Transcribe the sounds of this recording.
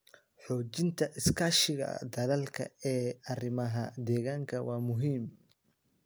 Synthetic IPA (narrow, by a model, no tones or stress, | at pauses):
ħɔːt͡ʃɪnt̪ʰɐʔɪskʰaːʃɪɣɐ̰d̪ɐlɐlkʰɐ̰ɛːɐrɪmɐɦɐd̪ɛːɣaːŋkʰɐwɑːmʊɦiːm